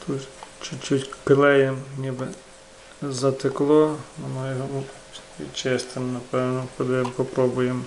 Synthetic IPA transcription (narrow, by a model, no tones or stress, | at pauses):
t̪ʰuʃt͡ʃut͡ʃʊtʲpelˠɛjemnʲibɪ | zɐt̪ɪklˠɔɔnɔjɔɦɔm | ʋʲḭd̪t͡ʃɛst̪ɪmnɐpɛwnɔpɔd̪ɛmpɔpɾɔbʊjem